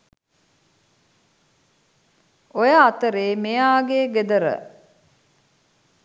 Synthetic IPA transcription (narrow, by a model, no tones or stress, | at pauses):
ojaːt̪əɾeːmejaːɡeːɡed̪əɾə̰